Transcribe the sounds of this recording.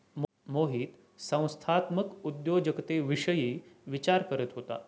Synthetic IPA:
m | moɦiːt̪ | sə̃w̃st̪ʰat̪məkud̪jod͡ʑəkət̪eʋiʂəjiːʋit͡ɕaɾkəɾət̪ɦot̪a̰

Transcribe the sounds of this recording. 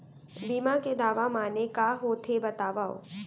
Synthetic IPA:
biːmãked̪aːʋamaːnekaɦoːt̪ʰebɐt̪aːʋao̰

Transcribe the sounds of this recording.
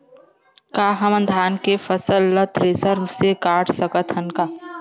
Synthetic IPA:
kaːɦɐmə̃nd̪ʱaːnkefʰəsəlːət̪ʰɾeːsəɾbsekaːʈʰsəkət̪ɦɐnkaː

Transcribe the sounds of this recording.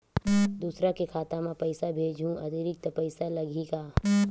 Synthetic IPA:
d̪uːsɾakekʰaːt̪amãpɐɪsabʱeːd͡ʒʱũɐd̪ɪɾɪk̚t̪pəɪsalɐɡiɡaː

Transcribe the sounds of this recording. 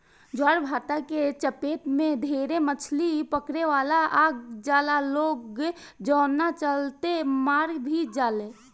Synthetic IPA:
d͡ʒaɾbʱaːt̪aket͡ʃəpeːt̪mẽd̪ʱeɾemət͡ʃʰlipəkɾeʋaːlaʔaːɡ̚d͡ʒaːlaloːɡd͡ʒɔːnːat͡ʃəlt̪emaːɾbʱid͡ʒaːle

